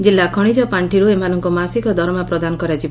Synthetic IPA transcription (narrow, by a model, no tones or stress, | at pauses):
d͡ʒilːakʰɔɽ̃id͡ʒɔpaɳʈʰiɾuemanɔŋkumasikɔd̪ʱɔɾmapɾɔd̪anɔkɔɾat͡ʃib